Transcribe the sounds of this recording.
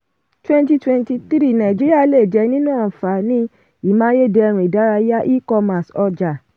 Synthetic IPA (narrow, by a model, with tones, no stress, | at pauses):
twɛ̃˧n˦ti˧twɛ̃˧nti˧t̪i˦ɾi˦˨nã˨ĩ˨d͡ʒi˦ɾi˦a˦˧le˦˨d͡ʒɛ˨˧nĩ˦nãː˦˨fa˨nĩ˦ | i˦˨mã˦je˦˨dɛ˧ɾ̃ũ˧˨i˨da˨˦ɾa˧ja˦ʔi˦kɔ˧mã˨sɔ˧d͡ʒa˨